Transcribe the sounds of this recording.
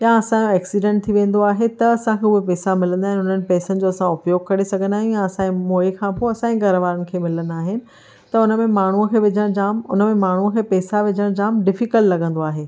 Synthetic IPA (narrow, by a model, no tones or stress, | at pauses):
jãɐsãd͡ʑoɛːksiɖẽɳʈ̚t̪ʰiʋẽːn̆d̪oaːɦet̪ɐɐsãkʰeːʊɦepɛːsamɪlə̃nd̪aːɦɪnɦʊn̤ənɪ̆pɛːsənɪ̆d͡ʑoɐsãʊpjoːɡ̚kɐɾesɐɡʱə̃nd̪aːɦɪ̃njãɐsãːemoːekʰãːpoɐsãĩɡɐɾəʋaːɾənɪ̆kʰeːmɪlə̃nd̪aːɦɪnɪ̆ | t̪ɐʊnəmẽmaːɳ̤uəkʰeːʋɪd͡ʑʱəɽ̃d͡ʑaːmʊ̰nəmẽmaːɳ̤uəkʰeːpɛːsaʋɪd͡ʑʱəɽ̃d͡ʑaːmɖɪfikəllɐɡʱə̃nd̪oaːɦeː